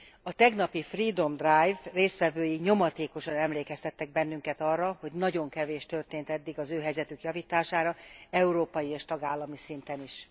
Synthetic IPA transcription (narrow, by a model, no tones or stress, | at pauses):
ɒt̪ɛɡnɒpifriːd̪o̞md̪rajvreːst̪ʋɛvøːjiɲo̞mɒt̪eːko̞ʃɒnɛmleːkɛst̪ɛt̪ːɛɡ̚bɛnːyŋkɛt̪ɒrːɒho̞ɟnɒɟo̞ŋkɛveːʃt̪ø̞rt̪eːnt̪ɛd̪ːiɡɒzøːɦɛjzɛt̪ykjɒviːt̪aːʃaːɾɒɛuɾoːpɒjieːʃt̪ɒɡaːlːɒmisint̪ɛniʃ